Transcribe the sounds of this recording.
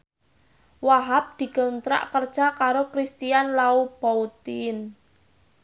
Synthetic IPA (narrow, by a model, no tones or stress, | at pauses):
waɦap̚d̪̥i̤ɡ̥ənt̪ɾa̰ʔkərd̥ʒ̥akaɾokɾist̪ianlaub̥aut̪in